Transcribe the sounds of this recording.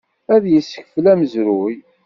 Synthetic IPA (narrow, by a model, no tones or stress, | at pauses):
æðjəsːə̥çflæməzɾʊj